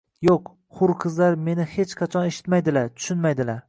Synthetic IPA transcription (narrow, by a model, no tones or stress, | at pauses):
joq | χʊɾqʰɨzlaɾme̞nɪhe̞t͡ʃqʰɑt͡ʃʰɒne̞ʃɪ̥t̪majd̪ɪlaɾt̪ʰʊ̥ʃɪnmajd̪ɪlaɾ